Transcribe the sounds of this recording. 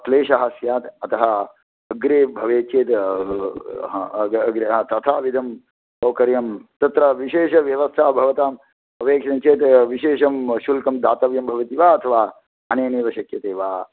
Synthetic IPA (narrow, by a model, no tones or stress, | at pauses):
ɐt̪leːʃɐɦɐsjaːt̪ɐt̪ɐɦɐ | ɐɡɾeːbʱɐʋeːt͡ʃeːt̪ | ɡɾeɦt̪ɐt̪ʰaːʋid̪ʱɐm | kɐwkɐɾjɐmt̪ɐt̪ɾɐʋiʃeːʃɐʋjɐʋɐst̪ʰaːbʱɐʋɐt̪aːm | ɐpeːkʂɐnt͡ʃeːt̪ʋiʃeːʃɐmʃulkɐmd̪a̰ːt̪ɐʋjɐmbʱɐʋɐt̪iʋaːɐt̪ʰɐʋaː | ɐneːneːʋɐʃɐkjɐt̪eːʋaː